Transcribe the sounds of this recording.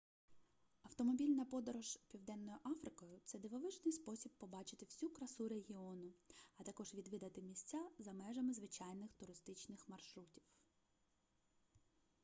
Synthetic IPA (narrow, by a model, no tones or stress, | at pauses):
ɐwt̪ɔmɔbʲilʲnɐpɔd̪ɔɾɔʒ̥pʲiwd̪ɛnːɔjʊʔɑfɾɪkɔjʊt̪sɛd̪ɪʋɔʋɪʒnɪjspɔsʲib̚pɔbɑt͡ʃɪ̥t̪ɪwsʲukɾɐsuɾeɦʲiɔnʊɐt̪ɐkɔʒʋʲid̪ʋʲid̪ɐt̪ɪmʲisʲt͡sʲazɐmɛʒɐmɪzʋɪt͡ʃɑjnɪxt̪ʊɾɪst̪ɪt͡ʃnɪxmɐrʃɾutʲiw